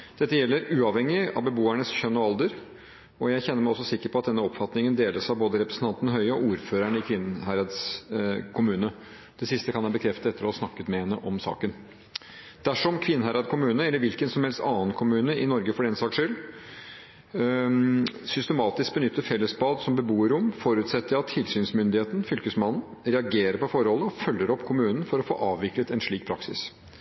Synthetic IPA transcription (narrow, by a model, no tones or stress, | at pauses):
d̪̥ɛt̪ːəjɛlːəɾʉːɑʋhɛŋːɪɑ̰ʋbəboːæɳəsçœnːɔɑld̪əɾ | ɔjæɪçɛnːəɾmæɪɔsːɔsɪkːəɾpʰɔɑt̪̚d̪ɛnːəɔpfɑt̪nɪŋənd̪eːləʂɑʋboːd̪əɾɛpɾəsn̩t̪ɑnt̪ənəɦœʏəɔuːɾføːɾæɳəɪkʰʋɪnːɦæɪɾɑd̪skʰʊmʉːnə | d̪̥ɛsɪst̪əkʰɑnjæɪbəkʰɾɛft̪əɛt̪ːəɾɔhɑɾsnɑkːət̪mɛhɛnːəʔɔmsɑ̰ːkən | d̪̥æʂɔmkʰʋɪnːhæɪɾɑd̪kʰʊmʉːnəɛlːəɾʋɪlkənsɔmhɛlst̪ɑːənkʰʊmʉːnəɪnɔɾɡəfɔɖɛnsɑːkʂʏl | sʏst̪əmɑːt̪ɪsk̚bənʏt̪ːəfɛlːəsbɑːd̪sɔmbəbuːəɾʊmfɔɾʉt̪sɛt̪ːəɾɑt̪ʰːɪlsyːnsmʏnd̪ɪheːt̪n̩fʏlkəsmɑnn̩ | ɾɛɑɡeːɾəɾpɔfɔɾhɔlːəɔfœlːəɾɔpːkʰʊmʉːnn̩fɔɾɔfo̰ːʔɑːʋʋɪklət̪ɛnʂɭiːk̚pʰɾɑksɪ̰s